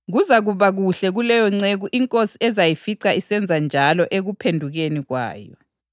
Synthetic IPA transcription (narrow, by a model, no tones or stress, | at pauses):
ɣuzaɣuβaɣuɬɛɣulɛjɔŋ͡ǀeɣuʔiŋkʼosiɛzajifiǀʰaisɛnd͡zʱand͡ʒʱalɔʔeɣupʰendʱuɣeniɣwa̰ːjɔ̰